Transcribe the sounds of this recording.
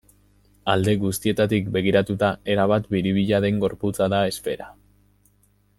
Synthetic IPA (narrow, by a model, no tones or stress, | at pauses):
ald̪e̞ɣust̪ie̞t̪at̪ikbe̞ɣ̞iɾat̪ut̪ae̞ɾaβ̞at̪biɾiβ̞iʎaðe̞ŋɡo̞ɾput͡saðae̞spe̞ɾa